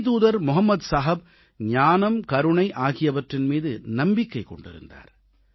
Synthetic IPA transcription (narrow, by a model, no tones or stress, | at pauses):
t̪uːðɐɾmʊɦɐmːɐd̪saːɦɐb̚ | ɲaːnɐmkɐɾɯɳɐɪʔaːɣɪjɐʋɐʈrɪnmiːðɯnɐmbɪkːɐɪkɔ̰ɳɖɪ̰ɾɯ̰nd̪a̰ːɾ